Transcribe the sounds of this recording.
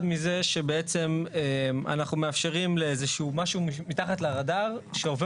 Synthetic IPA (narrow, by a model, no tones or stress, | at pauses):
d̪mize̞ʃe̞be̞et͡se̞mema̰naχnumeafʃe̞ʁimleezeʃuuːmaʃumimit̪aχat̪laʁadaʁʃeove